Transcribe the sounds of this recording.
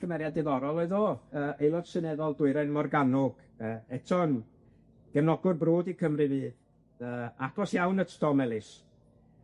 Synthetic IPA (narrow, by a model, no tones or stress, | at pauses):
kʰəmɛɾjadɪðɔɾɔlˠoɨðoːəːejlˠod̥sɨnɛðɔlˠdʊɨɾɛnmɔrɡanʊɡ̥ | əːɛtʰɔn | ɡ̥ɛnɔɡʊrbroːdikʰəmrɨvɨː | əːaɡɔsjawnətʰtɔmɛlˠɪs